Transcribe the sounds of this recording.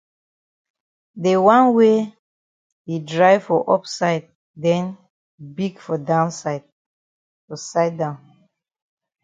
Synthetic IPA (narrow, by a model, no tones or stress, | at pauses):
dewãnwe | idɹaɪvfɔʔɔpsaɪd̚ | dɛ̃n | biɡfɔdãʊnsaɪd̚ | fɔsaɪd̚dãʊ̃n